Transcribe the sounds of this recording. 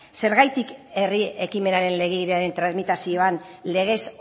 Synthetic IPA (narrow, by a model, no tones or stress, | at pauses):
se̞ɾɣajt̪ike̞rie̞kime̞naɾe̞nle̞ɣ̞eɾeaɾe̞nt̪ɾazmit̪asioanle̞ɣ̞e̞s